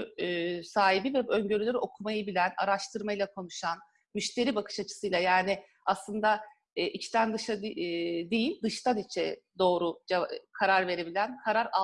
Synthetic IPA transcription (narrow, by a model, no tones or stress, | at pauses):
saːɦibivɛø̞ɲɟø̞ɾylʲeɾio̞kʰumajɯbilʲæna̰ɾaʃt̪ʰɯɾmajlˠakʰo̞nuʃan | myʃt̪ʰe̞ɾiːbakʰɯ̥ʃat͡ʃʰɯ̥sɯjlˠajaːnɪ | aslˠɯnd̪aː | ʔit͡ʃt̪ʰænd̪ɯʃad̪ejilʲd̪ɯʃt̪ʰanit͡ʃʰɛ̰ | d̪o̞ːɾud͡ʒekʰaɾaɾve̞ɾe̞bilʲænkʰaɾaɾa